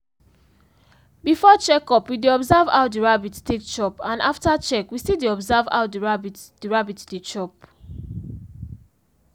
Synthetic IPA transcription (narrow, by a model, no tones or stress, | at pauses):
bifɔt͡ʃɛkɔpwideɔbzava̰ʊdiɹabittek̚t͡ʃɔpãnaftat͡ʃɛkwisideɔbzava̰ʊtdiɹabitdiɹabitdet͡ʃɔp̚